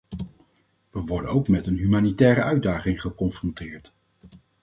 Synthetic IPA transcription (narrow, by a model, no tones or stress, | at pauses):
ʋəʋɔɹdə̰nowkmɛtənɦymaːnitɛːɾəʔœɥdaːχɪŋχəkɔnfrɔntɪːɹt